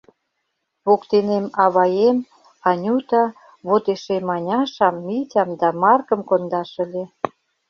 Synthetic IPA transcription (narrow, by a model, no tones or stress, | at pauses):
βokt̪enemɑβɑjem | ɑnʲut̪ɑ | βot̪eʃemɑnʲɑʃɑmːitʲɑmd̪ɑmɑrkə̆mkond̪ɑʃə̆lʲe